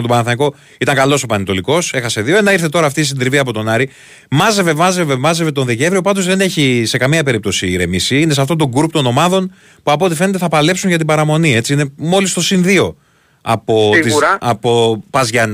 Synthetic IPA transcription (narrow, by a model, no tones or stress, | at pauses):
met̪oɐnɐθɐniko̞ | it̪ɐŋkɐlo̞so̞pɐnet̪oliko̞se̞xɐse̞ðioe̞nɐiɾθe̞t̪o̞ɾɐːft̪is̬id̪ɾiviɐpo̞t̪o̞nɐɾi | mɐze̞ve̞mɐze̞ve̞mɐzevet̪o̞nðice̞vɾio̞pɐd̪o̞zðene̞çise̞kɐmiɐpe̞ɾip̚t̪o̞siːɾe̞̰misiinesɐft̪ont̪o̞ɡuɾpt̪o̞no̞mɐðo̞n | puɐpoo̞t̪ife̞net̪e̞θɐpɐle̞psuɲʝɐt̪̬ibɐɾɐmo̞nie̞t͡siine̞mo̞list̪o̞sinðio̞ | ɐ̰po̞t̪iɐpo̞pɐzʝɐn